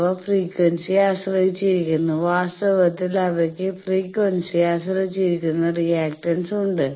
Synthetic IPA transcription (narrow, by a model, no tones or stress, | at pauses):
ʋɐfriːkʋɐnsiaːɕrɐɦit͡ɕːiɾikʲːunːuʋaːst̪ɐʋɐt̪ːilɐʋɐkʲːɨfriːkʋɐnsijaːɕrɐɦit͡ɕːiɾikʲːunːɐrijaːk̚ʈɐnsuɳɖɨ